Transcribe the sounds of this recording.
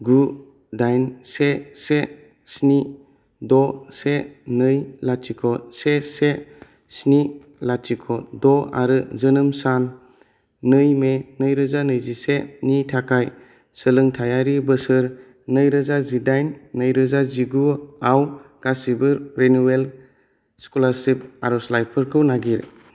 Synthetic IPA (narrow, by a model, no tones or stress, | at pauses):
ɡu | dajnsese | sni | dɔsenɯjlatʰikʰɔsese | sni | latʰikʰɔdɔa̰ɾɯzɯnɯmsanː | ɯjmenɯjɾɯzanɯjzisenitʰakʰaj | sɯlɯŋtʰajaɾibɯsɯɾ | nɯjɾɯzazidajnːɯjɾɯzaziɡuawkasibɯɾɾenuel | skulaɾsip̚aɾɔslajpʰɯɾkʰɯwnaɡiɾ